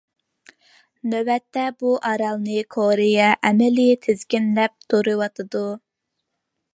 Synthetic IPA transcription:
nøwɛt̪ːɛbuʔɑɾɑlˠnɨkʰoɾɪjɛʔɛmɛlit̪ʰezkʲinlɛp̚t̪ʰoɾɨwɑt̪ʰɨd̪u

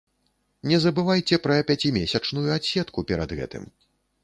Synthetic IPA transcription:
nʲɛzɐbɨvajt͡sʲɛpɾɐpʲat͡sʲimʲɛsʲɐt͡ʂnujuasʲɛt̪kupʲɛɾɐ̰d̪ɣɛ̰t̪ɨ̰m

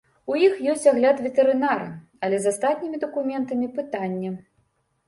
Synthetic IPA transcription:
ujixjɔsʲt͡sʲaɣlʲat̪vʲɛt̪ɛɾɨnaɾɨ̰ | ɐlʲɛzast̪at̪ʲnʲimʲid̪ɐkumʲɛnt̪ɐmʲipɨt̪anʲːɐ

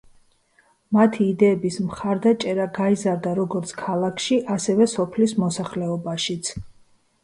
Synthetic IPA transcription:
mat̪ʰiːd̪ɛːbismχaɾd̪at͡ʃʼɛɾaɡaizaɾd̪aɾɔɡɔɾt̪sʰkʰalˠakʰʃiʔasɛvɛsɔpʰlismɔsaχlɛɔbaʃit̪sʰ

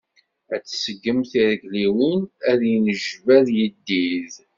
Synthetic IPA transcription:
æt͡sːsəɡːəmθiɾəɡliwənæðjənəʒvæðjəd̪ːið

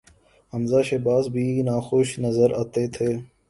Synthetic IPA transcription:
ɦəmzaːʃebaːsbʱiːnaːxoːʃnəzəɾaːt̪eːt̪ʰeː

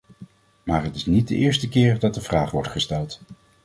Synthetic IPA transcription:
maːɹɦətɪsnit̚də̰ʔɪːɹstəkɪːɹdɑt̚dəvraːχʋɔɹtχəstɛlˠt

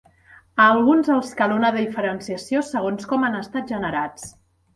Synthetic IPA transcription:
əːlˠɣunzəlˠskalunəðəifəɾənsiəsiosəɣ̞onskɔmanəst̪at̪̚ʒənəɾat͡s

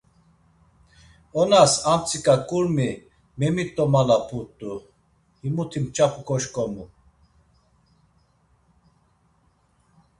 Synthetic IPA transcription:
ɔnasamt͡sʼikʼakʼuɾmi | mɛmit̪ʼɔmalapʰut̪ʼːu | himut̪ʰimt͡ʃʰʼapʰʼukʰɔʃkʼɔmu

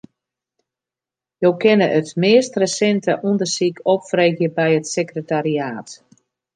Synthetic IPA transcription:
jowkɪnəʔətmɪːstrəsɛntəʔundərsikʰɔpfreːɣjəbɛjətsekrətariaːt

